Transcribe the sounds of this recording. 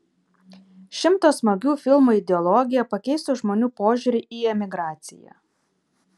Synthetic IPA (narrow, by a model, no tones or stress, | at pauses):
ʃʲɪmt̪oːsmɐɡʲuːfʲɪlˠmuːɪd̪ʲɛɔlˠɔɡʲɪjɛpɐkʲɛɪst̪ʊʒmoːnʲuːpoːʒʲʊːɾʲɪʔiːɛmʲɪɡɾɑːt̪sʲɪ̰jæ̰